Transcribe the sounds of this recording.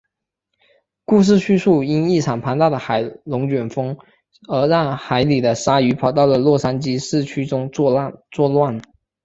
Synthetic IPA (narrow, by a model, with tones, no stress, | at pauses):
ku˥˧ʂ̬ɹ̩˥˧t͡ɕʰy˥ʂu˥˩i˥ni˥˩ʈ͡ʂʰɑ˨˩ŋpʰa˧˥nt̪a˥˩d̪ə˩xa˨˥˩ɪlʊ˧˥ŋt͡ɕɥɛ˨˩nfɤ˥ŋ | ə˧˥ɻɑ˥˩ŋxa˧˥ɪli˨˩d̪ə˦ʂa˥y˧˥pʰɑ˨˩ʊt̪ɑ˥˩ʊlə˩lwɔ˥˩ʂa˥nt͡ɕi˥ʂɹ̩˥˩t͡ɕʰy˥ʈ͡ʂʊ˥ŋt͡st͡swɔ˥˧lwa˥˩n